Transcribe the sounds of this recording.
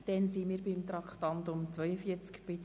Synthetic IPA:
d̥ɛnsimiːɾbimt̪ɾɑkχtɑnt̪ʊmt͡sʋœjəfiət͡skpɪt

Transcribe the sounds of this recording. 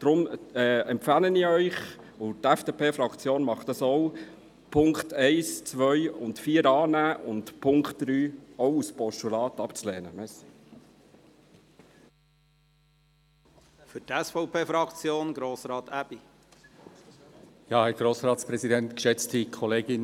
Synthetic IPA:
d̪̥ɾʊmɛɛmpfɑləniœʏχ | ʊtɛfd̥eːpeːfɾɑkt͡sjoːnmɑχt̪əsɔw | pʰʊŋktɛɪst͡sʋœʏʊntfiːəɾɑːnæːʔʊntpʰʊŋkχtd̥ɾyːɔwuspɔʃtulɑːtɑpt͡slɛːnəmɛs | fʏɾtɛsfɔʊpʰeːfɾɑkt͡sjoːnɡɾoːsɾɑːt̪æb̥i | jɑːhɛɾɡ̥ɾoːsɾɑːtspɾɛzidɛntkə̥ʃɛt͡stikʰɔleːɡɪn

